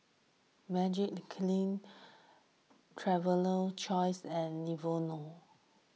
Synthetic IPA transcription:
mɛd͡ʒikkʰlĩn | tʰɹɛvələlt͡ʃɔjsɛ̃nlivono

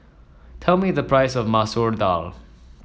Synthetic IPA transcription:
tʰɛlˠmiðəpʰɹ̥aɪsʌvmasuɹda̰lˠ

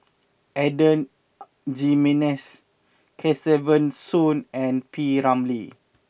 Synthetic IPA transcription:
ʔɛdə̃n | d͡ʒimɛnɛs | kʰɛsɛvə̃nsũnɛ̃npʰiɹãmli

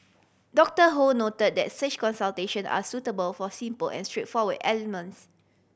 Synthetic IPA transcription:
dɔk̚təɦonotəd̚dɛ̰tsət͡ʃkɔ̃nsalteʃə̃na̰sutəbəlfɔsĩmpəlɛ̰̃nstɹet̚fɔwədɛlɛmə̃ns

